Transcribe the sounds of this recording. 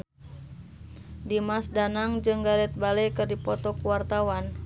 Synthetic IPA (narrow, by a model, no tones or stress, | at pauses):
dimasdanaŋd͡ʒɨŋɡaɾɛt̪̚balɛkɨrdipɔt̪ɔkuwart̪awan